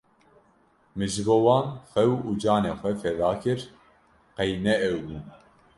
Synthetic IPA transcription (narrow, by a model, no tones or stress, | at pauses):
mɨʒbowɑːnxɛwud͡ʒɑːneːxʷɛfɛðɑːkʰɨɾ | qɛjnɛɛwbun